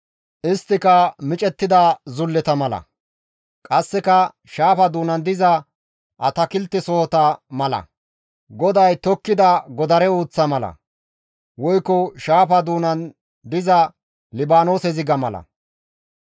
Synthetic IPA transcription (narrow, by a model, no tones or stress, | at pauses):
ʔɪst̪ːɪkɐmɪt͡ʃʼɛt̪ːɪd̪ɐzʊlːɛt̪ɐmɐlɐ̰ | kʼɐsːɛkɐ | ʃaːfɐd̪uːnɐnd̪ɪzɐ | ʔɐt̪ɐkɪlt̪ːɪsoːt̪ɐmɐlɐ̰ | ɡɔd̪ɐjt̪ɔkːɪd̪ɐɡɔd̪ɐɾɛuːt͡sːɐmɐlɐ̰ | wɔjkːɔʃaːfɐd̪uːnɐn | d̪ɪzɐ | lɪbaːno̞ːsɛzɪɡɐmɐlɐ̰